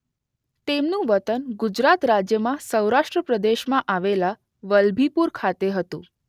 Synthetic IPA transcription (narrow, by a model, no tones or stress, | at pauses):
t̪emnũʋət̪ənɡud͡ʒɾat̪ɾad͡ʒjəmãsəwɾaʂʈɾəpɾəd̪eʃmãʔaʋela | ʋəlbʱipuɾkʰat̪eɦət̪ṵ̃